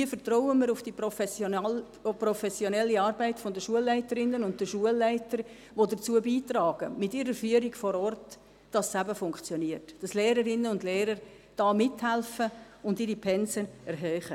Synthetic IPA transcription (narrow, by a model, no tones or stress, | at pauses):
iːfəɾtrɔʊəmɪːɾʊfd̥ipɔfs | pɾɔfɛsjonɛlːiɑːɾbæɪtfodəʃuəlːæɪtəɾɪnːənʊnt̚d̥əʃuəlːæɪtəɾ | ʋodət͡suəbiːtrɑːɡ̥əmɪtɪɾəɾfyːəɾiɡfɔɾɔrt | d̥ɑssæbəfʊŋkt͡sjoniərtd̥ɑslɛːɾəɾɪnːəʊndlɛːɾəɾ | d̥ɑːmɪthælfə | ʊndiɾipʰɛnsənɛɾɦœːχə